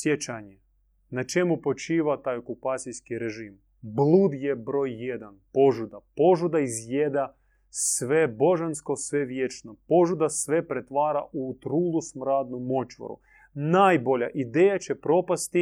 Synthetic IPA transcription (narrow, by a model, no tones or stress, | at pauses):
sjet͡ɕaɲe | nat͡ʃemupo̞t͡ʃiːʋat̪aːjo̞kupaːt̪sijskiɾeʒiːm | blˠuːd̪jebɾo̞ːjːed̪anpo̞ʒud̪apo̞ʒud̪aizjed̪a | sʋe̞bo̞ʒansko̞sʋe̞ʋjet͡ʃnopo̞ʒud̪asʋe̞pɾet̪ʋaːɾaʔut̪ɾuːlˠusmɾaːd̪numo̞t͡ʃʋo̰ɾṵ | naːjbo̞ʎa̰ʔid̪eːjat͡ɕe̞pɾo̞past̪i